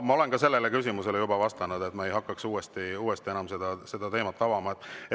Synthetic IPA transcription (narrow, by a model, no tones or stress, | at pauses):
mɑo̞le̞nkɑse̞lːelekys̬ʲimuse̞lejubɑvɑst̪ɑnud̪e̞t̪mɑejɦɑkːˑɑksuːest̪iuːest̪ie̞nɑmse̞d̪̥ɑse̞d̪̥ɑt̪e̞ːmɑt̪ːˑɑvɑmɑet̪ːe